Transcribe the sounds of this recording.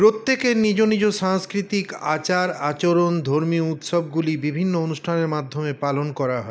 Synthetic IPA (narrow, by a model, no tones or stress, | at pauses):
pɾot̪ːekenid͡ʑonid͡ʑoʃaŋskɾit̪ikat͡ɕaɾat͡ɕoɾond̪ʱoɾmiut̪ʃɔb̚ɡulibibʱinːoonuʃʈʰaneɾmad̪ʱːomepalonkɔɾaɦɔe